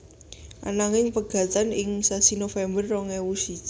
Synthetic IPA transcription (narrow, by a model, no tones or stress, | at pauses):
ʔa̰naŋɪŋpəɡ̥a̤t̪anɪŋsasinofɛmbərːɔŋɛwusi